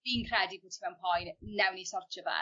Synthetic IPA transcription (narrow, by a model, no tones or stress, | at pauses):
inkʰrɛdibʊtʰmɛwmpʰɔjnnɛwnisɔrt͡ʃəva̰